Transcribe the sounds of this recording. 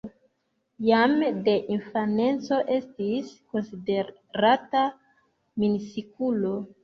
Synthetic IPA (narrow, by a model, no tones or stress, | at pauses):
jamde̞ʔinfane̞nt͡so̞ʔe̞stisko̞nside | ɾata | minisikulo̞